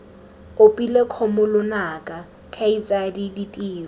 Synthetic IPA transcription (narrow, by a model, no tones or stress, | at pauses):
ʊpʼilekʰɔmʊlʊnakʼa | kʰait͡sʼadiditʼiːrɔ